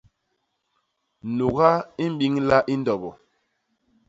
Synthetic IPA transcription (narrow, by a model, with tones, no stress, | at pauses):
nu˨ɣa˦i˦m̩˦bi˦ŋla˦ʔi˦n˦dɔ˨bɔ˨